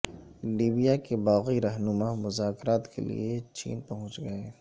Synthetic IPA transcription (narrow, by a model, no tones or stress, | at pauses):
liːbijakebaːɣiɾɐɦnʊmamʊzaːkɾaːt̪kʰḛlḭet͡ʃḭːnpɐɦʊ̃t͡ʃɡɐeː